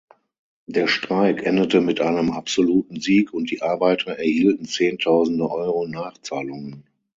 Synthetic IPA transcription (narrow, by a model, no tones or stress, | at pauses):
d̥eːɐʃtʁ̥aɪkʰʔɛndətəmɪtʔaɪnəmapz̥oluːtn̩ziːkʰʊnt̚d̥iːʔaɐbaɪtʰɐʔɛɐhiːltn̩t͡seːntʰaʊzn̩dəʔɔʏʁonaːχt͡saːlʊŋən